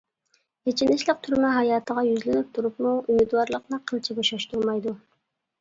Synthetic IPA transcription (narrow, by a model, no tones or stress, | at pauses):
et͡ʃʰinɪʃlɪk̚t̪ʰuɾmɛɦɑjɑːt̪ʰəʁɑjyzlenyp̚t̪ʰuɾupmuymyd̪wɑɾlˠəqnɨqʰəlˠt͡ʃʰibɑʃɑʃt̪uɾˠmɑjd̪u